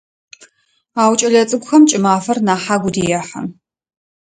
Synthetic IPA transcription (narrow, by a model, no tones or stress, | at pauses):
aːwt͡ʃʼɐɮɐt͡sʼɨɡʷʊxɐmt͡ʃʼɪmaːfɐrnaːħaːɡʷʊdijɛħɐ̰